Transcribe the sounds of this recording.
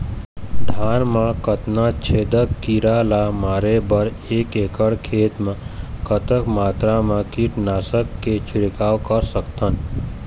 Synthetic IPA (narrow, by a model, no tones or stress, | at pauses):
d̪ʱaːnmakət̪nat͡ʃʰeːd̪əkːiɾalamaːɾebəɾ | eːkekəɽkʰeːt̪mãkət̪əkmaːt̪ɾamãkiʈnaːsəkːet͡ʃʰuɾikaːwkəɾsəkt̪ən